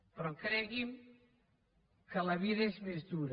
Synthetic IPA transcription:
pɾɔkɾɛɣim | kəlɐβiðɐezmezðuɾ

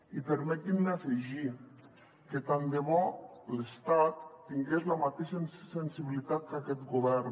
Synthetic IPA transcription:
ipeɾmɛt̪innaseʒi | ket̪and̪emɔlest̪at̪ːiŋɡezlamat̪eʃensensiβilit̪at̪̚kakɛt̪ɡoβɛɾ

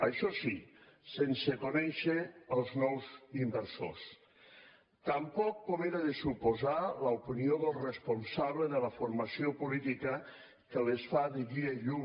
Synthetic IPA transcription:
əʃɔsisensəkonɛʃəəlˠznɔwzimbəɾso̰s | t̪əmpɔkːomeɾaðəsupozaləupinioðəlˠrəspunsaβləðələfuɾmɐsiopulit̪ikə | kəlesfaðiɣieʎuŋ

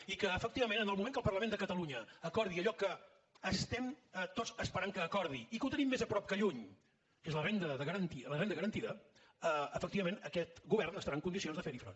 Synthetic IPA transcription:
ikəːfək̚t̪iβəmẽnənəlˠmumẽŋkəlˠpərləmend̪əkət̪əluɲəːkɔɾðiəʎɔkəː | st̪ɛmət̪ozəspəɾaŋkəːkɔɾðiikəut̪ənimːezəpɾɔp̚kəʎuɲ | kezlərend̪əðəɣəɾənt̪ilərend̪əɣəɾənt̪iðə | əəfək̚t̪iβəmenəkɛt̪ɡuβɛrnəst̪əɾaəŋkund̪isionzðəfeɾifɾə̰

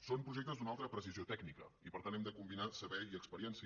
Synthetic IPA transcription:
sompɾuʒek̚t̪əzd̪unalˠt̪ɾəpɾəsiziot̪ɛɡnikə̰ipəɾt̪anɛmd̪əkumbinasəβɛiəkspəɾiɛnsi

